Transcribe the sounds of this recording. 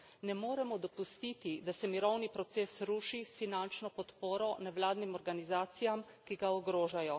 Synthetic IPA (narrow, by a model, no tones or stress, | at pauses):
nɛmoːɾɛmɔd̪ɔpust̪it̪id̪asɛmiɾɔwnipɾɔt̪sesɾuːʃisfinant͡ʃnɔpɔt̪poːɾɔnɛwlaːd̪nimɔɾɡanizaːt̪sijam | kiɡaɔɡɾoːʒajɔ